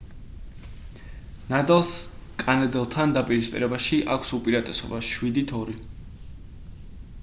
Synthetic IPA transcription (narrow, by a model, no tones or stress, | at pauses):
nad̪ɛlˠskʼanɛd̪ɛlˠt̪ʰand̪apʼiɾispʼḭɾɛbaʃiʔakʷʰsupʼiɾat̪ʼɛsɔ̰baʃwid̪it̪ʰɔɾi